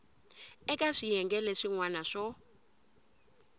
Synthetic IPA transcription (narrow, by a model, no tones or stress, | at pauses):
ɛkʼaʂijɛŋɡɛlɛʂiŋwanaʂɔ